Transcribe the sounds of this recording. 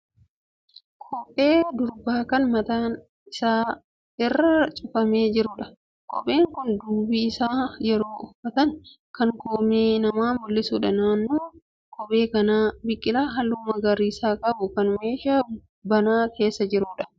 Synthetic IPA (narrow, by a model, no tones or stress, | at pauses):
kʰʼɔpʼe̞ːd̪ʊɾbaːkɐnmɐt̪aːn | ɪsaː | ɪrːɐt͡ʃʼʊfɐme̞ːd͡ʒɪɾʊᶑɐ | kʼɔ̰pʼe̞ːŋkʊnd̪uːbiɪsaːjɛɾo̞ːʊfɐt̪ɐŋ | kɐŋkoːmeːnɐmaːmʊlːɪsuːᶑɐnaːnːoː | kʰʼɔpʼe̞ːkɐnaːbɪkʼːɪlaːɦɐlːuːmɐɡɐɾiːsaːkʼɐbʊkɐnme̞ːʃaː | bɐnaːke̞ːsːɐd͡ʒɪɾʊᶑɐ̥